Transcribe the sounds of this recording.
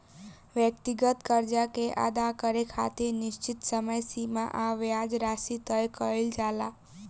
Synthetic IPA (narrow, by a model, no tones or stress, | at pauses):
ʋjək̚t̪iɡət̪kəɾd͡ʒakeʔa̰d̪akəɾekʰa̰t̪enɪʃt͡ʃɪt̪səməjsimã̰ʔaʋjad͡ʒɾasit̪əjkəeld͡ʒala